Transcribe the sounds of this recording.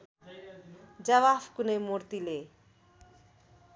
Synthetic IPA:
d͡ʒɐʋaːfkunemoɾt̪ile

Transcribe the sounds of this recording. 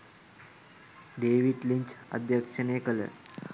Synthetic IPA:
ɖeʋiʈliɲt͡ɕə̰d̪ʱjəkʂənekələ̰

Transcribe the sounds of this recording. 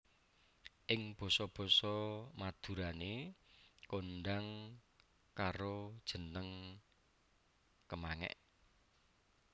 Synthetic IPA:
ʔɪŋb̥ɔ̤sɔb̥ɔ̤sɔmad̪̥ṳɾane | konɖaŋ | kaɾod̥ʒ̥ə̤nəŋ | kəmaŋɛ̰ʔ

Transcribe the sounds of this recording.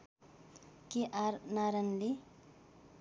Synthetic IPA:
keʔaɾnaɾənli

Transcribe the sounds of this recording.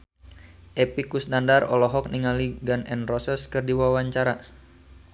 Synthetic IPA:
ʔɛpikusnandarɔlɔɦɔk̚niŋaliɡanɛnrɔsɛskɨrdiwawaɲt͡ʃaɾa

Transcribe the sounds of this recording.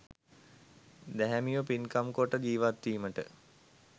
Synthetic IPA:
d̪æɦæmijopinkamkoʈəd͡ʒiːʋat̪ːiːməʈə̰

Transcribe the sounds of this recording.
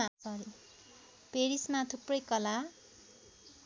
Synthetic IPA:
asʌɾi | peɾismat̪ʰuprʌjkʌla

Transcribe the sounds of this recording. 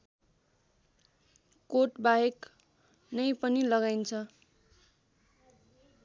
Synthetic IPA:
koʈbajek | nʌjpʌnilʌɡajnt͡sʰʌ

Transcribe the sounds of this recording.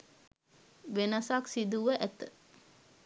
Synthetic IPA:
ʋenɐsaksid̪uʋəʔæt̪ə

